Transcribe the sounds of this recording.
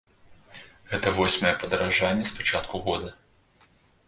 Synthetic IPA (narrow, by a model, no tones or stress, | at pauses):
ɛt̪əvosʲməjəpəd̪ɾɐʐanʲɪjəspɐt͡ɕat̪̚kʊɣod̪ə